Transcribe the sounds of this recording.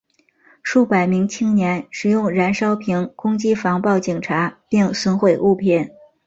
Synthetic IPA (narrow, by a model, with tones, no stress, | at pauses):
ʂu˥˩pa˨˩ɪmi˧˥ŋt͡ɕʰi˥ŋnjɛ˧˥nʂɻ̩˨˩jʊ˥˩ŋɻa˧˥nʂɑ˥ʊpʰi˧˥ŋkʊ˥ŋt͡ɕi˥fɑ˧˥ŋpɑ˥˩ʊt͡ɕi˨˩ŋʈ͡ʂʰa˧˥pi˥˩ŋswə˥nxwe˥˩ɪʔu˥˧pʰjɛ˥˩n